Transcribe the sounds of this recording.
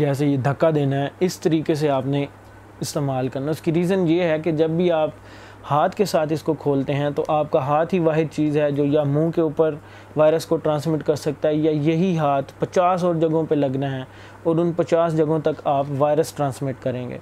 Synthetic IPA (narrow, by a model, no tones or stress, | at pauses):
d͡ʒɛːs̬ejed̪ʱɐkːad̪eːnaɦɛɪst̪ɐɾiːkes̬eaːpne | ɪst̪eːmaːlkɐɾnaʊskiɾiːzənjeɦɛked͡ʒɐbːiaːp | haːt̪ʰkesaːt̪ʰɪskokʰoːlt̪eɦɛ̃t̪oʔaːpkaɦaːt̪ʰɦiʋaːɦɪd̪̚t͡ʃiːzɦɛd͡ʒoːjamũːkeuːpəɾ | ʋaːɪɾəskoʈɾãːnsmɪʈkɐɾsɐk̚t̪aɦɛjajɐɦiɦaːt̪ʰpɐt͡ʃaːs̬ɔːɾd͡ʒɐɡõpelɐɡnaɦɛ | ɔːɾʊ̃npɐt͡ʃaːsd͡ʒɐɡõt̪ɐkaːpʋaːɪɾəsʈɾãːnsmɪʈkɐɾẽːŋɡḛː